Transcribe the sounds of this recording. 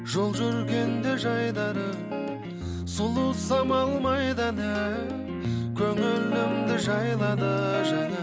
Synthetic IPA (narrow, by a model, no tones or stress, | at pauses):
ʒo̞lˠʒʏɾɡʲe̞nd̪eʒɑjd̪ɑɾə | sulˠusɑmɑlˠmɑjd̪ɑnæ | kʲʰɵŋɪɾlɪmd̪ɪʒɑjlˠɑd̪əʒæne